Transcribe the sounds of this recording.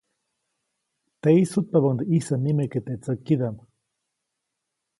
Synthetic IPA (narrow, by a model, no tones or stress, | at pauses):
t̪eisut̪̚paβaŋd̪iʔisanimeket̪et͡səkːiðam